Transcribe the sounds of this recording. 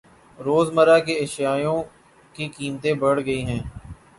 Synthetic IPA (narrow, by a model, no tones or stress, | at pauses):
ɾoːzməɾaːkeɐʃjaːjõː | kikiːmt̪ẽbɐɽɡəiːɦɛ̃ː